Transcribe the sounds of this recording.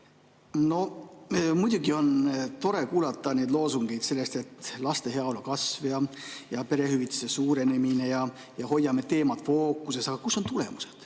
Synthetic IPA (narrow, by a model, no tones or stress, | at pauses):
no̞ | mujd̪̥ʲuɡ̥io̞nt̪o̞ɾe̞kuːlɑt̪ːˑɑne̞jd̪lo̞ːsuŋɡ̥e̞jd̪se̞lːe̞st̪e̞t̪ːˑlɑst̪e̞ɦe̞ɑolukɑsvjɑjɑpe̞ɾe̞hyvit̪ːˑe̥sesuːɾe̞ne̞mine̞jɑ | jɑho̞jːɑme̞t̪e̞ːmɑt̪fo̞ːkːˑuse̞sɑɡ̥ɑkusːo̞nt̪ule̞̰muse̞̥d̪̥